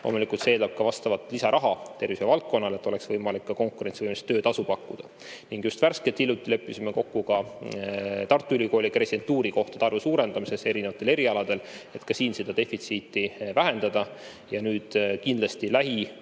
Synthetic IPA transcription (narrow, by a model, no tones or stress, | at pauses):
lo̞̰ːmulikˑult̪seeːld̪ɑb̥̚kɑvɑst̪ɑvɑt̪lisɑɾʔɑɦɑt̪e̞rvisevɑlt̪̚ko̞nːɑle̞t̪ːˑo̞le̞ksvɤjmɑlikːɑko̞ŋkuɾet̪sivɤjmest̪ːøːd̪̥ɑsupɑkˑːud̪̥ɑ | niŋɡ̥just̪værske̞lt̪iljut̪ːˑile̞pːˑisimeko̞kːukɑ | t̪ɑrt̪ːˑuyliko̞ːlʲipre̞sid̥̪e̞nt̪ːˑuːɾiko̞ht̪ɑ̥t̪ɑrvesuːɾe̞nd̪ɑmise̞se̞ɾine̞vɑt̪ːˑe̞le̞ɾiɑlɑd̪̥e̞le̞t̪kɑsiːnse̞d̪̥ɑd̪e̞fit̪siːt̪ːˑivæɦe̞nd̪̥ɑd̪̥ɑ | jɑnyːd̪̥kind̪lɑst̪ilæɦi